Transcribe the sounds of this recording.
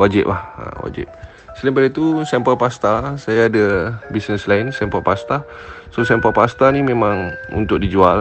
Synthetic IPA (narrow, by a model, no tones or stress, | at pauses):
wad͡ʒɪ̰p̚lahə̰wa̰d͡ʒɪ̰p̚ | səlimpadit̪usɛmpəlpast̪asajaːdabisnəslaɪnsɛmpəlpast̪a | sosɛmpəlpast̪animẽmãŋṵnt̪ʊk̚did͡ʒual